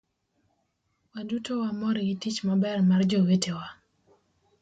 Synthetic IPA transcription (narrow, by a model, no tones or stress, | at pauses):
wandutowamɔɾiitit͡ʃmabɛrmard͡ʒowetewa